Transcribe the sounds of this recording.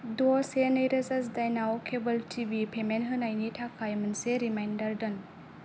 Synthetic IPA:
dɔsenəjɾɐzasdajnaokʰebəltʰibipʰemenɦɯnajnitʰakʰajmɯnseɾimajndɐɾdɯn

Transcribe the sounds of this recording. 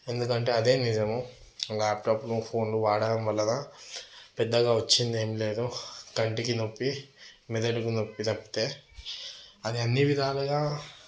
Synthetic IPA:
e̞nd̪ukɐɳʈe̞ːɐd̪e̞ːnid͡ʒɐmu | laːpʈaːplupʰo̞ːnluʋaːɽaɐmʋɐlːɐnɐ | pɛd̪ːɐɡaːʋɐt͡ʃːind̪e̞ːmile̞ːd̪uɡɐɳʈikinopːimɛd̪ɐʈikino̞pːit̪ɐpːi̥t̪e̞ː | ɐd̪iɐnːiʋid̪ʱaːluɡaː

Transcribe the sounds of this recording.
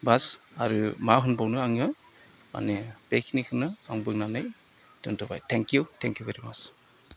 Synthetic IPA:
basaɾɯmaɦɯnbawnɯaŋɯ | ma̰neb̥ekʰinikʰɯnɯaŋbɯŋnanɯj | dɯntʰɔba̰jtʰɛŋkjutʰɛŋkjuveɾimat͡ʃ

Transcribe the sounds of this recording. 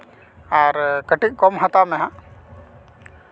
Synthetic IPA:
aɾkəʈik̚kɔmɦat̪amɛɦã

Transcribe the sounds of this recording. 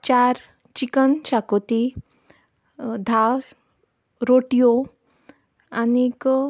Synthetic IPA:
t͡ɕaɾ | t͡ɕikənt͡ɕakot̪i | d̪ʱa | ɾoʈijo | anik

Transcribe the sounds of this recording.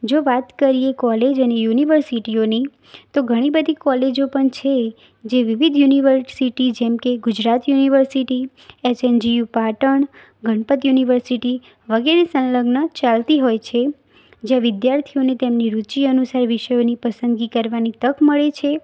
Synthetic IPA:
d͡ʒoʋat̪kəɾijekɔled͡ʒənejuniʋəɾsiʈioni | t̪oɡʱəɽ̃ibəd̪ʱikɔled͡ʒopəɳt͡ʃʰe | d͡ʒeʋɪʋid̪ʱjuniʋəɾsiʈid͡ʒɛmkeɡʊd͡ʒɾat̪juniʋəɾsiʈi | et͡ʃend͡ʒijupaʈəɳ | ɡʱəɳpət̪juniʋəɾsiʈi | ʋəɡeɾesə̃nləɡnət͡ʃalt̪iɦojt͡ʃʰe | d͡ʒjãʋɪd̪jaɾt̪ʰionet̪emniɾut͡ʃiənusaɾʋɪʃəjonipəsənd̪ɡikəɾʋanit̪əkməɭet͡ʃʰe

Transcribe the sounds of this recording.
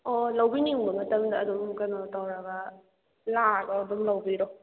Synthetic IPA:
ɔlɐwbiniŋbɐmɐtɐmdɐːdumkɐnɔtawɾɐɡɐ | lakɔdumlɐwbiɾɔ

